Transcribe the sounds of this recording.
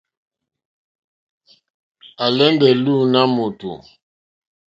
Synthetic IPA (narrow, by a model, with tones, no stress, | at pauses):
a˨lɛ˦ndɛ˨lu˦na˦mo˨tṵ˨